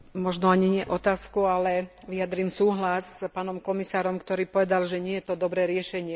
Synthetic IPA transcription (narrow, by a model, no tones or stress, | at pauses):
mɔʒnɔaɲiɲɪɛʔɔt̪aːskualɛ | ʋijad̪ɾiːmsuːɦlaspaːnɔmkɔmisaːɾɔmkt̪ɔɾiːpɔʋɛd̪alʒɛɲɪɛjɛt̪ɔd̪ɔbɾɛːɾɪɛʃɛɲɪɛ